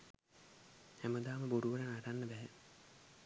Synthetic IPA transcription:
hæməd̪aːməboɾuʋəɾənaʈanːəbɛɦɛ

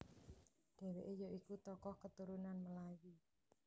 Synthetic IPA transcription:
ɖ̥ɛ̤weʔejoʔikut̪ɔkɔhkət̪uɾunanməlaji

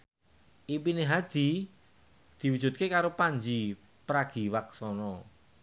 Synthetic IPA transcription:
ʔipineɦad̪̥i̤ | d̪̥i̤wud̥ʒ̥ṳt̪̚kekaɾopaɲd͡ʒi | pɾaɡ̥i̤waksɔnɔ

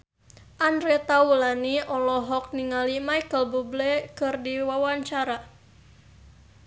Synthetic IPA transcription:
ʔandɾɛt̪aulaniʔɔlɔɦɔk̚niŋalimajkəlbublɛkɨrdiwawaɲt͡ʃaɾa

